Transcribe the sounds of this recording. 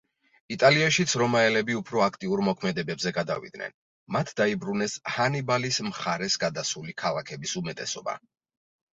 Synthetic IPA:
it̪ʼaliaʃit̪sʰɾɔmaɛlɛbiupʰɾɔakʰt̪ʼiuɾmɔkʰmɛd̪ɛbɛbzɛɡad̪a̰vḭd̪̥nɛ̰n | mat̪ʰd̪aibɾunɛshanibalismχaɾɛsɡad̪asulikʰalˠakʰɛbisumɛt̪ʼɛsɔba̰

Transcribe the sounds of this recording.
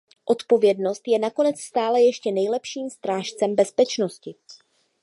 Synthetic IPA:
ʔo̞t̪po̞vjɛdno̞st̪jɛnako̞nɛt͡sst̪aːlɛjɛʃcɛnɛjlɛpʃiːmst̪ɾaːʃt͡sɛmbɛspɛt͡ʃno̞scɪ

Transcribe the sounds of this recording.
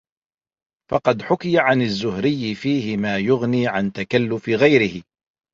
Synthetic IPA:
fɑqɑd̪ħʊkɪjaʕanazːʊhɾɪjːɪfiːhɪmaːjʊɣniːʕant̪akalːʊfɪɣajɾɪhɪ

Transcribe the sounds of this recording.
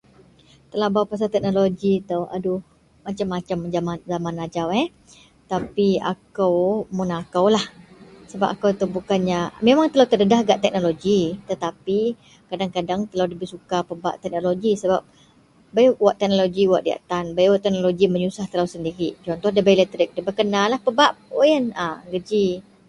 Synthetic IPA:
t̪əlahbawpas̬at̪ɛk̚noloɡit̪əwa̰du | mat͡ʃamːat͡ʃamzamanzamanad͡ʒawɛ | t̪apia̰kəwmunakawlahsəba̰pakawt̪əbukanɲamemaŋt̪əlawt̪ədədahɦɡaʔt̪ɛk̚noloɡit̪ət̪api | kadaŋkadaŋt̪əlawdəbisukapəba̰ʔt̪ɛk̚noloɡisəbap̚ | bajwaʔt̪ɛk̚noloɡiwa̰ʔdia̰ʔt̪anbajwaʔt̪ɛk̚noloɡiməɲusaht̪əlawsəndiɾiʔt͡ʃɔnt̪ɔhdabajlɛt̪ɾɪk̚dəbəkənalahpəbaʔojənaɡəd͡ʒi

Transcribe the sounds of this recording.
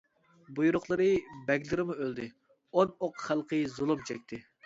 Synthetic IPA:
bujuɾʊχlˠəɾɨbɛɡʲlɨɾɪmuøld̪ɪ | onoqχælˠqʰəjzulˠumt͡ʃʰɛk̚ʲt̪ʰɪ

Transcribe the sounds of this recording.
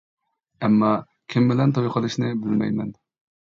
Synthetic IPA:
ɛmːɑ | kʲʰɪmbɪlɛnt̪ʰojqʰəlˠɨʃnɪbɪlmɛ̰jmɛn

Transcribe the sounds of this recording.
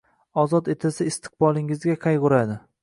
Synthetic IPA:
ɒzɒt̪et̪ʰasɪɪst̪ʰɨ̥q̚bɒlˠɪŋɪzɡʲaqʰɑjʁʊɾad̪ɪ

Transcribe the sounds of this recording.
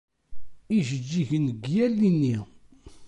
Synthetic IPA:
iʒəd͡ʒːiçənəɡjælːinːi

